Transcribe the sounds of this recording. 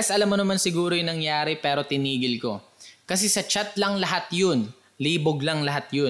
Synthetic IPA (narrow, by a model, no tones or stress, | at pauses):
ɐsʔɐlamːonɐmansɪɡuːɾojʊŋnɐŋjaːɾɛpɛːɾo̞t̪ɪniːɡɪlko̞̰kɐs̬ɛsɐt͡ʃat̪̚lɐŋlɐɦat̪jon | liːboɡlɐŋlɐɦat̪jo